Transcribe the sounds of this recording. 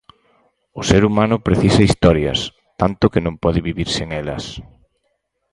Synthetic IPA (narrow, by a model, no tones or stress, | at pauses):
ʊseɾumanʊpɾeθisɐist̪ɔɾjɐ̰s | t̪ant̪ʊkɪnõmpɔðɪβiβiɾsɪeŋɛlɐ̰s